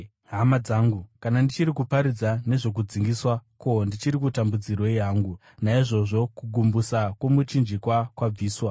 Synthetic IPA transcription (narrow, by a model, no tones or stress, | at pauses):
ɦamad͡zaːŋɡukanandit͡ʃiɾikupaɾid͡zane̞ʐo̞k̬ud͡ziŋɡiswako̞ndit͡ʃiɾikutambud͡zirwo̞jaːŋɡu | naiʐo̞ʐo̞kuɡʱumbusakwomut͡ʃind͡ʒikwakwab͡viːswa